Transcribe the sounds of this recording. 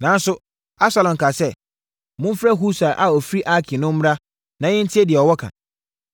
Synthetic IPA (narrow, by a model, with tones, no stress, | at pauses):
nã˨n˦sʊ˦ | a˦bsa˨lɔ̃˨ŋ̩˨kʰa˨sɛ˦ | mʊ̃˦fɾɛ˦ɦu˦sa˨ʔa˨ɔ˨fi˦ɾi˦ʔa˦kʰɪ˨nʊ̃˦m̩˦m˦ɾa˦ | nã˨˦jɪ̃˦n̩˦tʰɪ˦ɛ˦dɪ˨ɛ˨ɔ˨wɔ˦kʰã̰˨